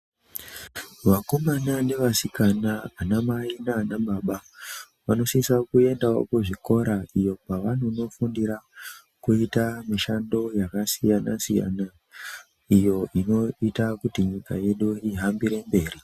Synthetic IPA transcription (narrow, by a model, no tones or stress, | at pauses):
ʋakomanane̞ʋasikanaːnamainaːnaɓaɓa | ʋano̞sisakue̞ndao̰koʐiko̞ɾaijo̞paʋanuno̞fundiɾa | kuitamiʃando̞jakasijana̰sija̰na | ijo̞ʔino̞itakutiɲika̰je̞ɗuiɦambiɾe̞mbe̞ːri